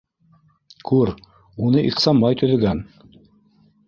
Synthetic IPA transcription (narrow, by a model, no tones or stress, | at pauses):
kʰʉɾ | unɤʔiqsɑmbɑjt̪ɵ̆ðɘ̆ɡæn